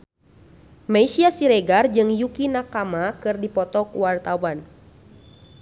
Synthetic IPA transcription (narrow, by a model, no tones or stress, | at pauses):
maisiasiɾɛɡard͡ʒɨŋjukinakamakɨrdipɔt̪ɔkuwart̪awan